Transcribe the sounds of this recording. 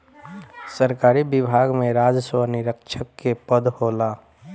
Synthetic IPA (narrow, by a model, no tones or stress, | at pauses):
səɾkaːɾibɪbʱaːɡmẽɾaːd͡ʒswənɪɾəkʃʰəkːepəd̪hoːlaː